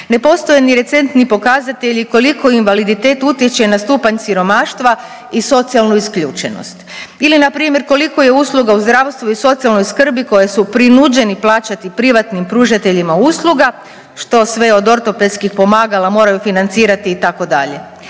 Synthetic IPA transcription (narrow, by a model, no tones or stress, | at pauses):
ne̞po̞st̪o̞jeniɾe̞t̪se̞nt̪nipo̞kazat̪e̞ʎiko̞liko̞inʋalid̪it̪e̞ːt̪ut̪jet͡ɕenast̪uːpaɲsiɾo̞maːʃt̪ʋa | iso̞t̪sialˠnuiskʎṵːt͡ʃḛno̰st̪ilinapɾiːmje̞ɾko̞liko̞je̞uslˠuɡauzd̪ɾaːʋst̪ʋuiso̞t̪sialˠno̞jskr̩biko̞jesupɾinud͡ʒe̞niplˠaːt͡ʃat̪ipɾiʋat̪nimpɾuːʒat̪e̞ʎimausluɡa | ʃt̪o̞sʋe̞o̞d̪o̞ɾt̪o̞pelskixpo̞maːɡalˠamo̞ːɾajufinant̪siːɾat̪iːt̪ako̞d̪a̰ʎe̞